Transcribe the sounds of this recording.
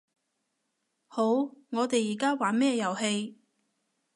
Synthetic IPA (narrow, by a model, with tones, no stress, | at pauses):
ho˨˥wŋɔː˨˧t̪e˨jiː˨˩kaː˥waː˨˥mɛː˥˧jɐ˨˩whe˧j